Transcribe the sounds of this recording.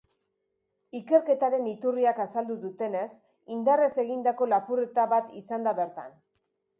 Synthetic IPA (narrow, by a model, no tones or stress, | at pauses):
ike̞ɾke̞t̪aɾe̞nit̪uriakasald̪uðut̪e̞ne̞s | ind̪are̞se̞ɣind̪ako̞lapure̞t̪aβat̪isand̪aβe̞ɾt̪a̰n